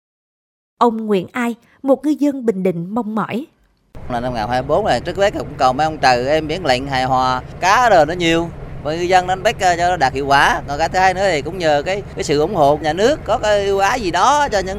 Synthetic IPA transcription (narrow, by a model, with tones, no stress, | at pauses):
ʔə˧wŋ͡mŋwḭ˧˨ənʔaː˧j | mo˨˩t̚ŋɨ˧jzə˧nɓï˨˩ŋ̟ɗḭ̈˧˨ŋ̟mɔ˧wŋ͡mmɔ̰˧˩j | laː˨˩na˧mŋaː˨˩nhaː˧mi˧˩ɓo˨˦n˨aː˨˩t͡ɕɨ˦˥ək̚ɓe˨˦˥k̚a˨˩kʊ̰˧˦ŋ͡mkə˨˩wmʔa˧wŋ͡mt͡ɕə˨˩ʔɛ˧mɓi˧˦˥ənla̰˧˨ŋ̟ɦaː˨˩jɦwaː˨˩kaː˨˦ɗəː˨˩nɔ˨˦ɲi˨˩əwvaː˨˩ŋɨ˧jzə˧n˨˧˦ə˧nɓa˦˥jk̚ə˧t͡ɕɔ˧nɔ˨˦ɗaː˨˩k̚hḭ˧˨əwkwaː˧˩˦kɔ˨˩kaː˨˦t̪ɨ˨˦haː˧jnɨ̰˧˥ət̪ʰi˨˩kʊ̰˧˥wŋ͡mɲəː˨˩kaː˨˦jkaː˨˦jsɨ̰˧˨ʔʊ˧˩˦ŋ͡mho̰˧˨ɲaː˨˩nɨ˦˥əkːɔ˨˦kaː˨˦jʔi˧wʔaː˨˦zi˨˩ɗɔ˨˦t͡ɕɔ˧ɲɨ̰˧˦